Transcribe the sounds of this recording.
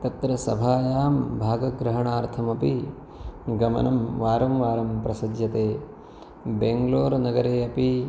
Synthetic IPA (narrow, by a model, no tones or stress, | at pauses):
t̪ɐt̪ɾɐsɐbʱaːjaːmbʱaːɡɐɡɾɐɦɐɳaːɾt̪ʰɐmɐpi | ɡɐmɐ̰nɐmʋaːɾɐmʋaːɾɐmpɾɐsɐd̪ʱjɐt̪eː | beŋɡloːɾnɐɡɐɾeːɐpi